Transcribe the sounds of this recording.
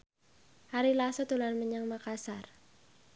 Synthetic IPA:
haɾilasɔt̪ulanməɲaŋmakasar

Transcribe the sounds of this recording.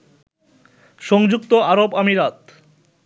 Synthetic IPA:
ʃɔŋd͡ʑuk̚t̪oaɾobamiɾat̪

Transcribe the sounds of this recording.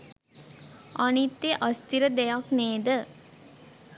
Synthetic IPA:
ʔɔnit̪ːeʔɔst̪iɾəd̪ɛjakneːd̪ə

